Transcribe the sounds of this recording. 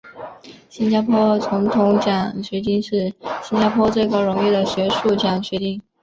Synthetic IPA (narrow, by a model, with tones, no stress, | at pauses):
ɕi˥nt͡ɕja˥pʰwɔ˥t͡sʰʊ˧˥ŋt̪ʰʊ˧˥ŋt͡ɕjɑ˨˩ŋt͡ɕɥɛ˧˥t̪i˥˧ŋʂɻ̩˥˩ɕi˥nt͡ɕja˥pʰwɔ˥t͡swe˥˩ɪkɑ˥ʊɻʊ˧˥ŋɥɛ˥˩d̪ə˩ɕɥɛ˧˥ʂu˥˩t͡ɕjɑ˨˩ŋt͡ɕɥɛ˧˥t̪i˥˩ŋ